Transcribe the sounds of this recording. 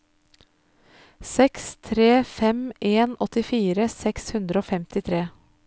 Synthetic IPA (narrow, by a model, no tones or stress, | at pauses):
sɛkst̪ʰɾeːfɛmʔeːnɔt̪ɪfiːɾəsɛkshʉnd̪ɾəoːfɛmt̪ɪt̪ʰɾeː